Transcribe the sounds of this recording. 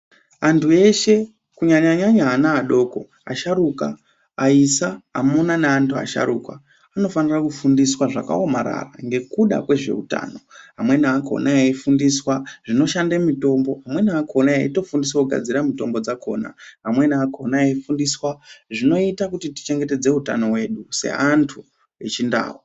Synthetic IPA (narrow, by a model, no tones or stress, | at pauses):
antue̞ʃe̞ | kuɲaɲaɲaɲaːnaːɗo̞ːko̞̰ | a̰ʃaɾuka̰ | aisaa̰munaneantʰua̰ʃa̰ɾuka | ano̞fanirakufundiswaʐa̰ka̰o̞maɾa̰ra̰ŋɡe̞kuɗa̰kwe̞ʐe̞̰uta̰ːno̞ɦamwe̞niako̰nʔaeifundiswaʐino̞ʃandemito̞mbo̞ɦamwe̞niakonaeito̞fundisakuɡʱa̰d͡ziramito̞mbo̞d͡zakʰo̞̰ːna̰ɦamwe̞niakonaeifundiswaʐino̞itakutiti̥t͡ʃe̞ŋɡe̞te̞d͡ze̞uta̰no̞we̞ːɗuse̞̰ʔantʰu | et͡ʃinda̰ːɦo